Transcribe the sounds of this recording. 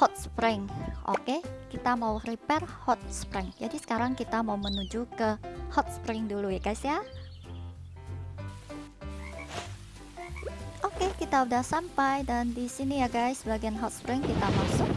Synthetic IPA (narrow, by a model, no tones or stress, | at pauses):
hɔt̪̚spɾɪŋʔo̰kekit̪amauripɛrhɔt̪̚spɾɪŋd͡ʒadisə̥kaɾaŋkit̪amaumənud͡ʒukəhɔt̪̚spɾɪŋdulujaɡajsja | ʔokekit̪audahsampajdandisinijaɡajsəbaɡianɦɔt̪̚spɾɪŋkit̪amasʊk̚